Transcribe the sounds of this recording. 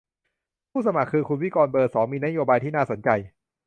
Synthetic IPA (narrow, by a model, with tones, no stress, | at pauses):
pʰuː˥˩sa˧ma˨˩kʰːɯː˧kʰu˧nwi˦˥˩kɔː˧nbɤː˨˩t̪̚sɔː˩˦ŋmiː˧na˦˥joː˧baː˧jt̪iː˥˩naː˥˩so˩˦nt͡ɕa˧j